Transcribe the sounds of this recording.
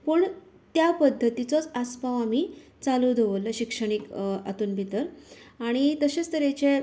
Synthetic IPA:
pəɳ | t̪japəd̪ʱːət̪it͡sot͡saspaʋamiːt͡salud̪ʱeʋəlːəɕikʂəɽ̃ika̰t̪uːnbʱit̪əɾaɽ̃it̪əɕest̪əɾet͡ɕe

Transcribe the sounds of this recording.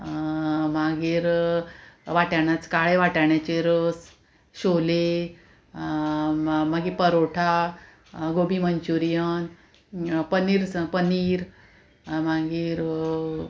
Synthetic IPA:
maɡiːɾ | ʋaʈaɳjat͡skaɭeʋaʈaɳjat͡ɕeɾəs | ɕole | maɡipəɾoʈʰa | ɡobiməɲt͡ɕuɾijən | pəniɾpəniːɾ | maɡiːɾ

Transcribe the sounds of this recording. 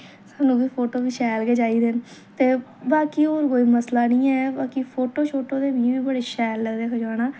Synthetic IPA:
saːnũːbiːpʰoːʈoːbiːʃɛːlkeːd͡ʒaːiːd̪ent̪eːbaːkiːoːɾkoːiːməslaːnĩːɛːbaːkiːpʰoːʈoːt͡ʃʰoːʈoːd̪eːbiːʋiːbəɽeːʃɛːlːəɡd̪eːkʰəd͡ʒaːɽ̃aː

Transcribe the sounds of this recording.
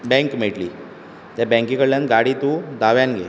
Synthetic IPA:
bɛ̃ŋkmeʈliː | t̪jabɛ̃ŋkĩkəɽlãnɡaɽit̪ud̪aʋjanɡḛ

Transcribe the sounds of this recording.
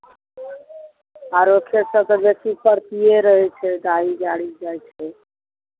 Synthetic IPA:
aːɾoːkʰjesət̪əlesipəɾp̪ijeɾəɦet͡ʃʰed̪aːid͡ʒaːɽid͡ʒaːjt͡ʃʰe

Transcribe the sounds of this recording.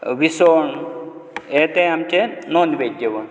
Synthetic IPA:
ʋisoɳ | jet̪ẽamt͡ɕenɔnʋed͡ʑeʋəɳ

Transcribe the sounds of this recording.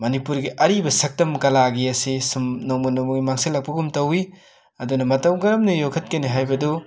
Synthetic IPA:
mɐnipuɾɡiʔɐɾibɐsɐk̚tɐmkɐlaɡiɐsisumnowmɐnɔmɐɡimaŋsilɐk̚pɐɡumtɐwi | ɐdunɐmɐtɐwɡɐɾɐmnijokʰɐt̚kɐniɦajbɐdu

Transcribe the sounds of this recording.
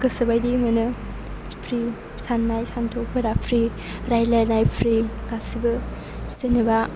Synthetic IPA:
kɯsɯbajdimɯnɯ | pʰɾi | sanːajsantʰok̚pʰɯɾapʰɾi | ɾajlajnajpʰɾiɡasibɯ | senɯba

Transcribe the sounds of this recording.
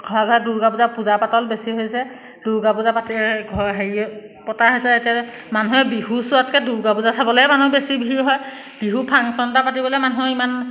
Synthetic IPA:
ɡʰʱɔɹaɡɔɛduɹɡapuzapuzapatɔlbesiɦojsɛ | d̥uɹɡapuzapatiɡʱɔɹɦeɹiɛ | pɔtaɦojsɛetia | manuɦɛbihusuatkɛduɹɡapuzasabɔlojɛmanubesibɦiɹɦɔj | b̥iɦupʰaŋsɔntapatibɔlojmanuɦuiman

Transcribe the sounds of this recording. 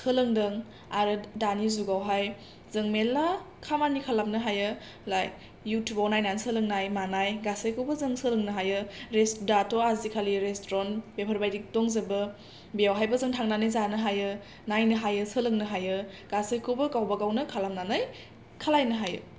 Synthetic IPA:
sɯlɯŋdɯŋ | aɾɯdanizuɡawɦaj | zɯŋmela | kʰamanikʰalap̚nɯɦajɯ | lajː | utʰjubawnajnansɯlɯŋnajmanajɡasɯjkʰubəzɯŋsɯlɯŋnɯɦajɯɾesdatʰoazikʰaliɾestɾɔnbepʰəɾbajdik̚tɔŋzɐbɯ | bijawɦajbɐzɯŋtʰaŋnanɯjzanɯɦajɯ | najnɯɦajɯsɯlɯŋnɯɦajɯ | ɡ̥asɯjkʰubɯkawbaɡawnɯkʰalap̚nanɯj | kʰalajnɯɦajɯ̰

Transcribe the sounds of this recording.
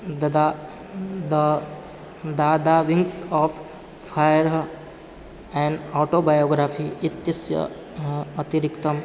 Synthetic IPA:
d̪d̪a | d̪ | d̪aːd̪aʋiŋɡsɔːf | pajɾ | ɛ̃ɳɖɔːʈobajoɡɾafʰiːt̪jɐsjə̰ː | t̪iɾikt̪ɐm

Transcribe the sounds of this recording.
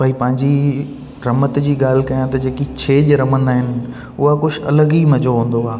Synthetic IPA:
bʱaːipɐ̃ɦɪ̃ɲd͡ʑi | ɾɐmət̪d͡ʑiːɠaːl̤ɪ̆kɐjãt̪ɐd͡ʑeːkit͡ɕʰeːʄɾɐmə̃nd̪aːɦɪnɪ̆ | ʊɦakʊd͡ʑʰɐ̰ləɡimɐd͡ʑʱoɦũːn̆d̪oaː

